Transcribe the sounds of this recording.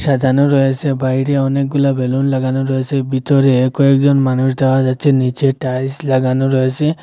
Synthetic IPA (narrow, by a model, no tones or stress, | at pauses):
sad̪ʱanɔɾɔjesʰebaɦiɾeɔnek̚ɡulabelunlaɡanuɾɔjesebʱit̪ɔɾeːkɔek̚d͡ʒɔnmanus̬d̪awad͡ʒat͡ʃʰenit͡ʃeʈajslaɡanɔɾɔjese